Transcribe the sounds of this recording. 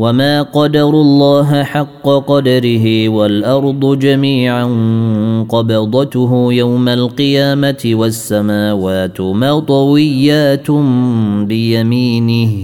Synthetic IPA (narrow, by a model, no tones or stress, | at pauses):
wamaːqɑd̪ɑɾˤʊlˤːɑːɦħɑqːɑqɑd̪ɑɾɪɦɪwalʔɑɾˤd̪ˤʊd͡ʒamiːʕanqɑbɑd̪ˤɑt̪ʊɦʊjawmalqɨjaːmat̪ɪwasːamaːwaːt̪maːt̪ˤɑwɪjːaːt̪ | bɪjamiːnɪh